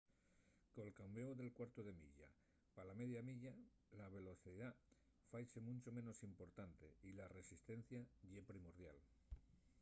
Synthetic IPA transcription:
kolkambeoðe̞lkwaɾt̪oð̞e̞mḭʎa̰ | palame̞ðjamiʎa | laβ̞e̞lo̞θiða | fajsemũnʲt͡ʃomẽ̞no̞simpo̞ɾt̪ant̪eilare̞sist̪e̞n̟θjaʝepɾimo̞ɾð̞ja̰l

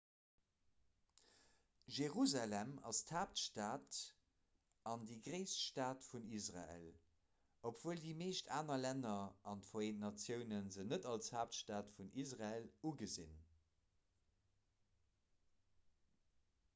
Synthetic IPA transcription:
ʒeʁuzalæmɑ̰stʰhaːp̚tʃtaːt | ɑndiɡʁeɪsʃtaːtfunisʁa̰ḛl | opʰv̥oːəldiːmeːʃtʰaːnɐlænɐɑntfoentnɑt͡sjəʊnənzənədɑlshaːp̚tʃtaːtfunʔisʁaeluɡəzḭn

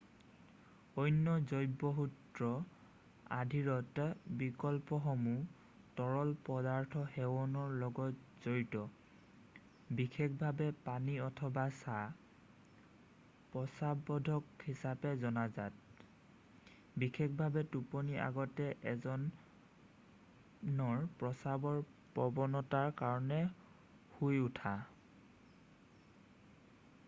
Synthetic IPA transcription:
ɔjnːɔzɔjbɔɦutɹɔ | a̰dʱiɹɔtbikɔlpɔxɔmu | tɔɹɔlpɔdaɹtʰɔhɛwɔnɔɹlɔɡɔtz̥ojtɔ | bixʰekʰbʱabɛpaniɔtʰɔbasa | pɹɔsabɔdʱɔkhisapɛzɔnazat̚ | bixʰekʰbʱabɛtupɔniʔa̰ɡɔtɛʔɛzɔn | nɔɹpɹɔsabɔɹpɔbɔnɔtaɹkaɹɔnɛ | hujutʰa

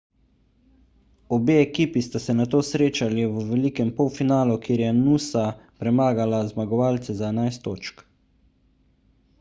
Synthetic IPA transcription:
ɔbeɛkiːpist̪asɛnat̪oːsɾeːt͡ʃaliʋəʋɛlikɛmpɔwfinaːlukjeːɾjɛnusapɾɛmaːɡalazmaɡɔʋaːlt̪sɛzaɛnajst̪ːo̰ːt͡ʃk

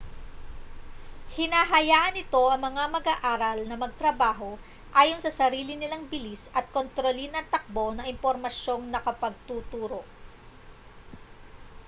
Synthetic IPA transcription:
hɪnaːɦɐjaːʔɐnɪt̪o̞ʔɐŋmɐŋamɐɡaːʔaːɾɐlnɐmɐɡ̚t̪ɾɐbaːɦo̞ | ʔaːjo̞nsɐsɐɾiːlɪnɪlaŋbɪlisɐt̪̚kont̪ɾolinɐŋt̪ɐk̚bo̞nɐʔɪmpo̞ɾmɐʃjo̞ŋnɐkɐpɐɡ̚t̪uːt̪uːɾo̞ʔ

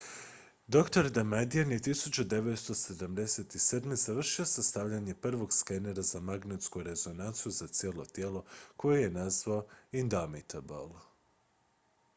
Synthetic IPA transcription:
d̪o̞kt̪o̞ɾd̪amad̪ianjet̪isut͡ɕud̪e̞ʋe̞t̪st̪o̞se̞d̪amd̪e̞set̪ised̪mezaʋr̩ʃio̞sast̪aʋʎaɲe̞pr̩ʋo̞ɡskeneɾazamaɡnet̪skuɾe̞zo̞nant̪sijuzat̪sjeːlˠo̞t̪je̞ːlˠo̞ko̞jeje̞nazʋaoind̪amit̪ʰabo̰lˠ

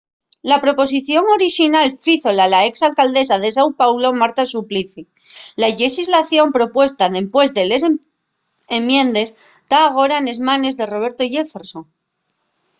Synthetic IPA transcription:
lapɾo̞po̞siθjo̞ŋo̞ɾiʃinalfiθo̞lalae̞ksalkald̪e̞saðe̞s̬awpawlo̞maɾt̪asupliθi | laʎexizlaθjo̞mpɾo̞pwe̞st̪aðe̞mpwe̞zðe̞le̞s̬ | emjẽ̞nd̪e̞s | d̪̥aːɣ̞o̞ɾane̞zmãne̞zðe̞ro̞β̞e̞ɾt̪o̞ʝe̞feɾsoŋ

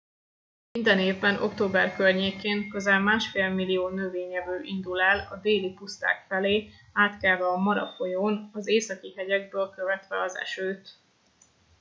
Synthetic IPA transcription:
mind̪ɛneːvbɛnʔo̞̰kt̪oːbɛrkørɲeːkeːŋkøzaːlmaːʃfeːlmilijoːnøveːɲɛvøːʔind̪ulaːlɒd̪eːlipust̪a̰ːkfɛleː | aːt̪kɛlvɛɒmɒɾɒ̰fojoːnɒzeːsɒkiɦɛɟɛɡ̚bøːlkøvɛt̪vɛɒzɛ̰ʃøːt̪

